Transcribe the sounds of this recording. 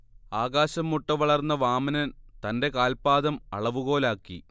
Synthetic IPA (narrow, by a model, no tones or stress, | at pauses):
aːɣaːɕɐmːuʈːɐʋɐɭɐrnːɐʋaːmɐnɐnt̪ɐnde̞kaːlpaːðɐmɐ̰ɭɐʋuɣo̞ːlaːkːi